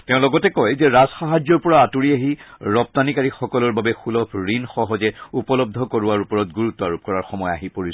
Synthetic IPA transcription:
tɛʊ̃lɔɡɔtɛkojzɛɹazxaɦazɔɹpɔɹaːtuɹiaɦiɹɔp̚tanikaɹixɔkɔlɔɹbabɛxulɔpʰɹinxɔɦɔzɛupɔlɔb̚d̪ʱɔkoɹʊaɹupɔɹɔt̚ɡuɹutːɔaɹup̚kɔɹaɹxɔmɔja̰ɦipoɹis

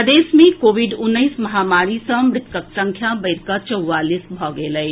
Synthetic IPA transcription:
əd̪eːsmẽkoːʋiɖʊnːəɪsmɐɦaːmaːɾisə̃mɾɪt̪kəksə̃ŋkʰjãbəɪɾkat͡ʃəwːaːlisbʱɔːɡeːləj

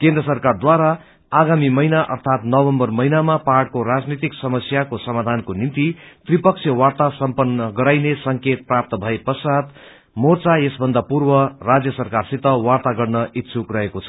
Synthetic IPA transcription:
kẽnd̪rʌsʌrkard̪waɾa | aɡamimʌinaʔʌrt̪ʰat̪nʌbʌmbʌrmʌinamapaʈ̚koɾad͡znit̪iksʌmʌsjakosʌmad̪ʱankonint̪it̪ripʌk̚sʰjʌwart̪asʌmpʌnːʌɡʌɾajnesʌŋket̪̚prap̚t̪ʌbʱʌepʌsad̪ | mort͡sajesbʱʌnd̪apurbʌrad͡zjʌsʌrkarsit̪ʌwart̪aɡʌrnʌit̪ːsʰukrʌekot͡sʰʌ̥

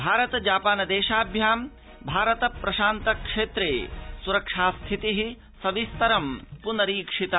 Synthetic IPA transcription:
bʱaːɾɐt̪ɐd͡ʒaːpaːnɐd̪eːʃaːbʱjaːm | bʱaːɾɐt̪ɐpɾɐʃaːnt̪ɐkʂeːt̪ɾeːsuɾɐkʂaːst̪ʰit̪iɦi | sɐʋist̪ɐɾɐmpunɐɾiːkʂit̪ɐ

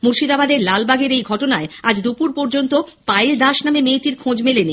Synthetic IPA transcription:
muɾʃid̪abad̪eɾlalbaɡeɾejɡʱɔʈonaead͡ʑd̪upuɾpɔɾd͡ʑont̪opajld̪aʃnamemeʈiɾkʰõd͡ʑmeleni

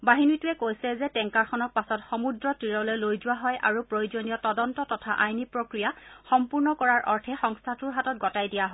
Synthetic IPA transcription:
baɦinitʊɛkojsɛzɛtɛŋkaɹxʰɔnɔɹpasɔtxɔmudɹɔtɹiɹɔlɛlojzʊwaɦɔjʔa̰ɹupɹojuzonijɔtɔdɔntɔtɔtʰaʔajnipɹokɹijaxɔmpuɹnɔkɔɹaɹʔɔɹtʰɛxɔŋstʰatʊɹɦatɔt̚ɡɔtajdijaɦɔ

